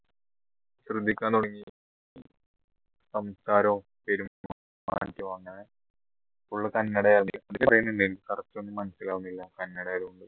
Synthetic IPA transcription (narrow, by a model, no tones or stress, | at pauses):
ɕrɨd̪ʱːikʲːaːnːuɽɐŋːi | sɐmsaːɾoː | peɾum | ma̰ːtːjɐʋaːŋːɐɳe | uɭːɐkɐnːɐɽɐjaːniɐðiɾeprejninːilkɐrɐt͡ɕːuenːɨmɐnɐsilaːʋunːilːakɐnːɐɽɐjaːɾuɳɖɨ